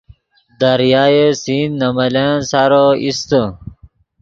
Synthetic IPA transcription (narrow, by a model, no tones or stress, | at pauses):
d̪ɐɾjaːjesinːɐmɐlensaɾoist̪ə